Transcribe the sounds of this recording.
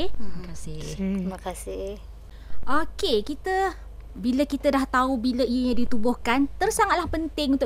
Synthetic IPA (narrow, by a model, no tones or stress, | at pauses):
himəkasɪt̪iməkasɪh | ʔokekit̪ə | biləkit̪ədaht̪aubiləijəɲãdit̪ubʊhkant̪ərsaŋat̪̚lahpənt̪ɪŋunt̪ʊ